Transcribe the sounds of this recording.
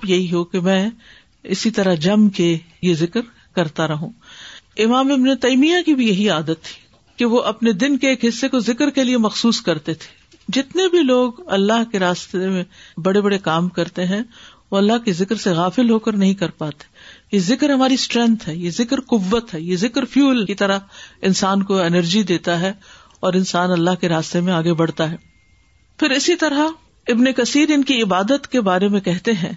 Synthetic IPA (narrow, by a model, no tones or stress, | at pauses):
pjɐɦiɦokemɛ̃ː | ɪsit̪ɐɾad͡ʒɐmke | jezɪkɾ | kɐɾt̪aɾɐɦũːɪmaːmɪbnet̪ɐiːmijãkibʱijɐɦiaːd̪ət̪ʰːi̥ː | keʋoʔɐpned̪ɪnkeeːkɦɪsːekozɪkɾkeliemɐxsuːskɐɾt̪et̪ʰe̥ː | d͡ʒɪt̪nebʱiloːɡɐlːaɦkeɾaːst̪emẽbɐɽebɐɽekaːmkɐɾt̪eɦɛ̃ʋoɐlːaɦkizɪkɾseɣaːfɪlɦoːkɐɾnɐɦĩkɐɾpaːt̪e̥jezɪkɾɦɐmaːɾisʈɾɛ̃nt̪ɦɛːjezɪkɾqʊʋːət̪ɦɛːjezɪkɾfjuːlkit̪ɐɾaɪnsaːnkoɛnəɾd͡ʒid̪eːt̪aɦɛ | ɔːɾɪ̃nsaːnɐlːaɦkeɾaːst̪emẽaːɡebɐɽ̤t̪aɦɛː | fɪɾɪsit̪ɐɾa | ɪbnekɐsiːɾɪnkiɪbaːd̪ət̪kebaːɾemẽkɛɦt̪eɦɛ̃ː